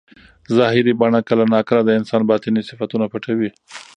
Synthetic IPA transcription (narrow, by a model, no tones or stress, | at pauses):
zɑɦɪɾibaɳakəlanɑkəlad̪əɪnsɑnbɑt̪ɪnisɪfat̪unapaʈawi